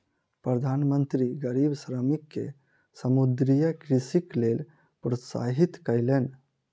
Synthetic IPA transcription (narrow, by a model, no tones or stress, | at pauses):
pɾəd̪ʱaːnmənt̪ɾiɡəɾibsɾəmikːḛ | səmud̪ɾijəkɾisiklel | pɾət̪sa̰ɦit̪kəjlen